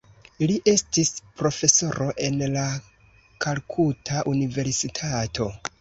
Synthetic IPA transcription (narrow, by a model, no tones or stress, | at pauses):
iliʔe̞stispɾo̞fe̞so̞ɾo̞ʔe̞nla | kʰalkʰutʰaʔunive̞ɾsitʰatʰo̞